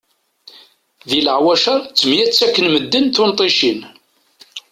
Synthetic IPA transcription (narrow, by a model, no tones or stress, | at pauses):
ðiləʕwæʃɑɾˤt͡sːəmjæt͡sːækːənməd̪ːənθʊnt̪ˤiʃin